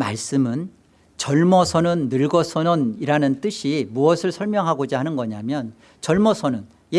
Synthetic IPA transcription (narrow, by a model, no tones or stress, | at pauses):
ma̰ɭs͈ɯmɯn | t͡ɕʌɭmʌsʰʌnɯnːɯɭɡʌsʰʌnʌniɾanɯnt͈ɯɕʰimuʌsʰɯɭsʰʌɭmjʌŋɦaɡod͡ʑaɦanɯnɡʌɲamjʌn | t͡ɕʌɭmʌsʰʌnɯn | je